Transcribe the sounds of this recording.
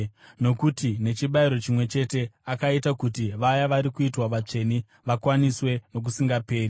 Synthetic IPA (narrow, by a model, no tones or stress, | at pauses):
no̞kutine̞t͡ʃiɓaiɾo̞t͡ʃimwe̞t͡ʃe̞te̞akaitakutiʋajaʋaɾikuitwaʋat͡ʂe̞ni | ʋakwaniswe̞no̞k̬usiŋɡape̞ːri